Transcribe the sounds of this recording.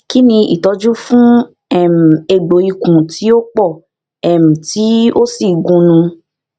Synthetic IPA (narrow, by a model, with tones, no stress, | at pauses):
ki˦nĩ˧ḭ˨tɔ˨˧d͡ʒũ˦fũ˦ | ɛ˦˨m̩˨e˧ɡ͡bo˨i˧kũ˨tʰi˨˦o˦k͡pɔ˦˨ | ɛ˨m̩̃˨ti˨˦o˦si˦˨ɡũ˨˦nũ˧